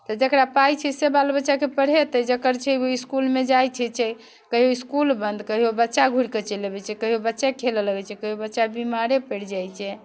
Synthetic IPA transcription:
t̪ɔd͡ʒəkɾapajt͡ʃʰɛsebalbətːʃakepəɽ̤et̪əd͡ʒəkəɾt͡ʃʰɛoiskulmed͡ʒajt͡ʃʰɛt͡ʃʰɛ | kəɦioiskulbənd̪kəɦiobətːʃaɡʱuɽket͡ʃəlebɛt͡ʃʰɛkəɦiobətːʃakʰelələɡɛt͡ʃʰɛkəɦiobətːʃabimaɾepəɽ̤d͡ʒajt͡ʃʰɛ

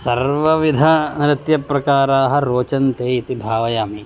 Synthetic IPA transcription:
sɐɾʋɐʋid̪ʱɐnɾɪt̪jɐpɾɐkaːɾaːɦɐ̆ɾoːt͡ʃɐnt̪eːit̪ibʱaːʋɐjaːmi

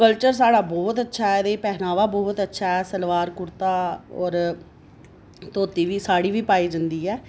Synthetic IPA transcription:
kəlt͡ʃəɾsaːɽaːbɔːt̪ətːʃʰaːɛːd̪eːpɛːnaːʋaːbɔːt̪ətːʃʰaːɛːsəlʋaːɾkʊɾt̪aːɔːɾ | t̪oːt̪iːʋiːsaːɽiːʋiːpaːiːd͡ʒənd̪iːɛː

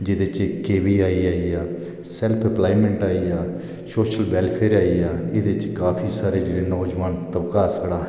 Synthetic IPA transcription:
d͡ʒɪd̪eːt͡ʃkeːʋiːaːiːaːiːaː | sɛlpʰɛplaːimẽɳʈaːiːaː | soːʃəlbɛːlpʰeːɾaːiːaːɪd̪et͡ʃkaːpʰiːsaːɾeːd͡ʒɪɽeːnɔːd͡ʒʋaːnt̪əbkaːsəɽaː

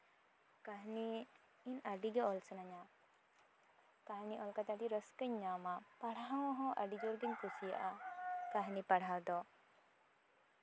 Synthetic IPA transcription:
kaɦniː | naɖiɡɛɔlsənaɲa | kaɦniʔɔlkat̪aʈiɾəskəɲːamapaɽaɦawɦɔ̃ʔə̰ɖid͡ʒɔɾɡəɲkusija̰ʔakaɦnipaɽ̤awd̪ɔ

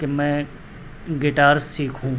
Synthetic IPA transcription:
kemɛ̃ː | ɡɪʈaːɾsiːkʰɦũː

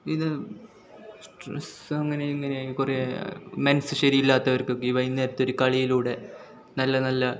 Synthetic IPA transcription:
iðɨ | sʈrḛsɐmɐŋːɐne̞iŋːɐnekuremensɨʂɐɾijilːaːt̪ːɐʋɐrkɨokːeiʋɐjinːe̞ːɾɐt̪ːo̞ɾukɐɭijiluːɽe̞ | nɐlːɐnɐlːɐ

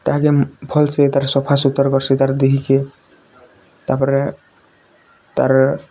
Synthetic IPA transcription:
t̪aɦkebʱɔlsʰet̪aɾsɔpʰasut̪ːɔɾkɔɾsʰet̪aɾd̪eɦike | t̪aɾpɔɾe | t̪aɾ

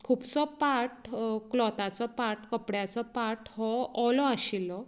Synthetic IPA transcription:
kʰuːbt͡sɔpaʈklɔt̪at͡sɔpaʈkəpɽjat͡sɔpaʈhɔɔlɔaɕilɔ

